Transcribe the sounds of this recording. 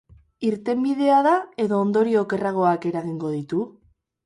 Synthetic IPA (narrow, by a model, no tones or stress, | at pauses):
iɾt̪e̞mbiðe̞aðae̞ðo̞ːnd̪o̞ɾio̞ke̞raɣ̞o̞ake̞ɾaɣiŋɡo̞ð̞it̪u